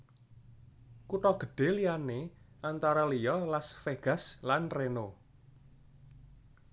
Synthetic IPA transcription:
kuʈɔɡ̥ə̤ɖ̥e̤lianeʔant̪aɾɔlijɔlasfeɡ̥a̤slanreno

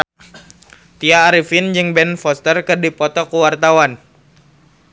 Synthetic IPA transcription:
t̪iaːɾifɪnd͡ʒɨŋbɛnfɔst̪ərkɨrdipɔt̪ɔkuwart̪awan

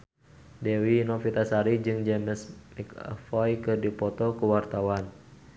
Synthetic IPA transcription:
dɛwinɔfit̪asaɾid͡ʒɨŋd͡ʒɛməsmikfɔjkɨrdipɔt̪ɔkuwart̪awan

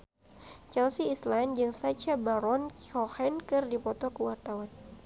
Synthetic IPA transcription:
t͡ʃɛlsiːsland͡ʒɨŋsat͡ʃabaɾɔnɔhɛnkɨrdipɔt̪ɔkəwart̪awan

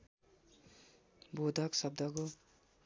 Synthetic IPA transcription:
bod̪ʱaksʌb̚d̪ʱʌko

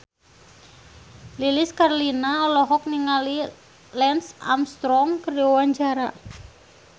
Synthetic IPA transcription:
liliskarlinaɔlɔɦɔk̚niŋali | lɛnsa̰mst̪ɾɔŋkəriowaɲd͡ʒaɾa̰

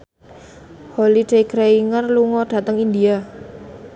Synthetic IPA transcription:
holid̥eiɡɾeiŋərluŋɔɖ̥ä̤t̪əŋind̪ia

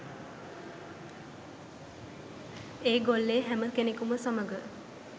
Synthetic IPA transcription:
eːɡolːeːɦæməkenekuməsaməɡə

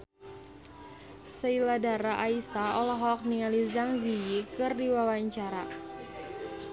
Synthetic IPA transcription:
səiladaɾaʔaisaɔlɔɦɔk̚niŋalizaŋzijikɨrdiwawaɲt͡ʃaɾa

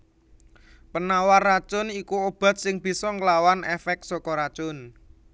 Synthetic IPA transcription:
pənawarːat͡ʃʊnikuob̥a̤t̪̚sɪŋb̥i̤sɔŋəlawanɛfɛk̪̚sɔkɔɾat͡ʃʊn

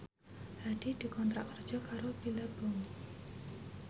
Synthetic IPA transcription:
had̥id̥i̤kɔnt̪ɾaʔkərd̥d͡ʒʒ̥ɔ̤kaɾobilab̥ɔŋ

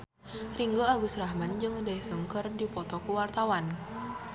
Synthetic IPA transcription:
riŋɡoaɡusrahmand͡ʒɨŋdɛsəŋkərdipɔt̪ɔkuwart̪awan

